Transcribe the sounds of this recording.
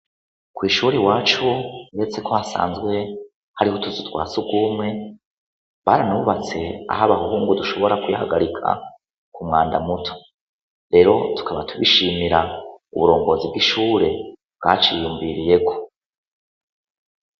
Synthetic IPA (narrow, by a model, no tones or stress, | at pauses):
kwiːʃuːɾiwaːt͡ʃujet͡se̞kohasa̰ːnzɡwe̞ | haɾihotuzutwa̰ːt͡subɡwuːmŋe̞ | βaːɾanuuβat͡se̞a̰ɦaβahuhuːŋɡuduʃo̞βo̞ɾakujahaɡaɾikʰa̰ | kʰumŋaːnda̰mutʰo̥ | ɾe̞ːɾo̞tu̥kʰaβatʰuβḭʃiːmiɾaṵβuɾo̞ːŋɡo̞zib̚ɡiʃuːɾe̞bɡ̥a̰ːt͡ʃijuːɱviɾije̞ko̥